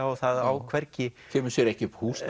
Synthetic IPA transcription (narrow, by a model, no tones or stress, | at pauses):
ɔθaðawkʰvɛɾcɪ | cʰɛːmʏ̥sjɛɾɛhcɪʏphuːs